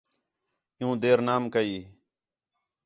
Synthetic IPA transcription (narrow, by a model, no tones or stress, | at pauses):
jũːd̪eːɾnaːmkəiː